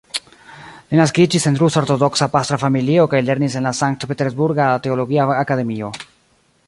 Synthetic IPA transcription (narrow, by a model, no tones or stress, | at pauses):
linaskid͡ʒise̞nt̪ɾusoɾt̪o̞d̪o̞ksapast̪ɾafamilio̞kajle̞ɾnise̞nlasaŋk̚t̪pet̪eɾzbuɾɡat̪e̞olo̞ɡiaakade̞mio̞